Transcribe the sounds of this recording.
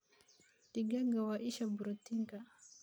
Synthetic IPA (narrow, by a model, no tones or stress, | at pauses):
tiɡaŋɡawaʔiʃabuɾut̪iŋɡa